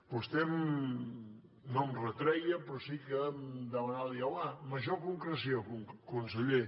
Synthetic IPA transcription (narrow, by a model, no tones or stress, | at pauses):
pust̪ɛm | nɔmrət̪ɾɛjəpɾɔsikəd̪əmənaliəlaməʒokuŋkɾəs̬iokuŋkunsəʎe